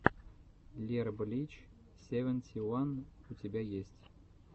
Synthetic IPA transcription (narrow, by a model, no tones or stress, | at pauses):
lʲerblʲit͡ɕ | sʲevʲənʲtʲʰiwanutʲebʲæjesʲtʲ